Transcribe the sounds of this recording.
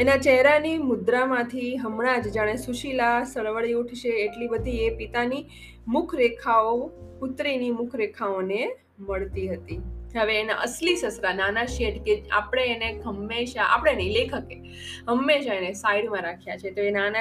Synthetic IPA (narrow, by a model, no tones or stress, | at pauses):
enat͡ʃɛɦɾanimʊd̪ɾamãt̪ʰiɦəmɽ̃ad͡ʒd͡ʒaɽ̃esuʃilasəɭʋəɭiuʈʰʃeːʈlibəd̪ʱiepit̪ani | mʊkʰɾekʰaopʊt̪ɾinimʊkʰɾekʰaone | məɭt̪iɦət̪iɦəʋeːna̰ʔəslisəsɾananaʃeʈkea̰pɽ̃eːneɡʱəmːeʃaʔa̰pəɽ̃enə̃ĩlekʰəke | ɦəmːeʃaenesaiɽmãɾakʰjat͡ʃʰet̪oenana